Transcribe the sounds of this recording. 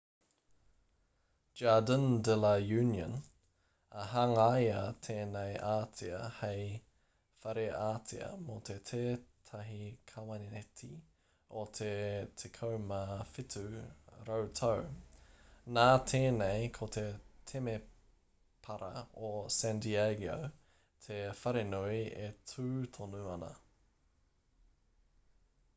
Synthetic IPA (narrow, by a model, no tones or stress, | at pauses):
d͡ʒadəndɛlɐjʉːnjə̰n | ɐɦɐŋajɐt̪ʰeːnejʔaːt̪ʰiɐhej | fɐɾeʔaːt̪ʰiɐ̰mot̪ʰet̪ʰeːt̪ʰɐɦikʰɐwɐniɛt̪ʰi | ot̪ʰet̪ʰekʰowmɐfitʰʉɾowtʰɐw | naːt̪ʰeːnejkʰot̪ʰetʰeme | pʰɐɾɐ̰osɛnd̪iaɡio̰w | t̪ʰefɐɾenujetʰʉːt̪ʰonuɐnɐ̰